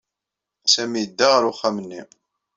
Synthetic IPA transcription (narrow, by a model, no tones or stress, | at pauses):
æsæmijəd̪ːaʁəɾʊχːæmənːi